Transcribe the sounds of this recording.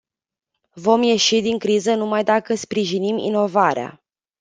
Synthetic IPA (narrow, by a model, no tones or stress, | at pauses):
vo̞mje̞ʃid̪iŋkɾizənumajd̪akəspɾiʒinimḭno̞vaɾea̰